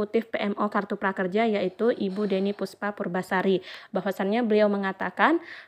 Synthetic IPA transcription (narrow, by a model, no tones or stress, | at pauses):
ut̪ɪfpeʔɛmʔokart̪upɾakərd͡ʒajaʔit̪uʔibudenipuspapurbasaɾibawasanɲabəliawməŋat̪akan